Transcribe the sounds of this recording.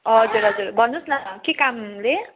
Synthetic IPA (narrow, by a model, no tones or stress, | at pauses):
ʌd͡zuɾɦʌd͡zuɾbʱʌnːusnʌkekamle